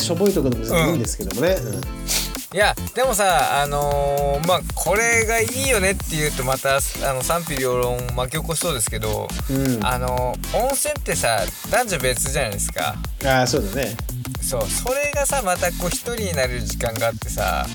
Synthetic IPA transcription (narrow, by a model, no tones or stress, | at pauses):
ɕobo̞it̪okoɾomɯzɯ̃ĩnd̪e̞sɨ̥ke̞d̪omoneɯ̃ | jad̪̥e̞mo̞saano̞maːkʰo̞ɾe̞ɡaiːjo̞ne̞t̪ːe̞jɯ̟ːt̪o̞mat̪aano̞sãmpʲiɾʲioɾõŋmak̬ʲo̞koɕi̥so̞ːd̪e̞sɨ̥ke̞d̪o̞̰ɯ̃a̰no̞ | õ̞ɰ̃sẽ̞nt̪ːe̞sa | d̪̥ãɲ̟d͡ʑabe̞t͡sɨʑanajd̪esɨ̥ka̰ | asoːd̪ane | so̞ːso̞ɾe̞ɡasamat̪akoːçi̥t̪o̞ɾʲiɲ̟inaɾeɯɾɯʑikãŋɡaːt̪ːe̞sa̰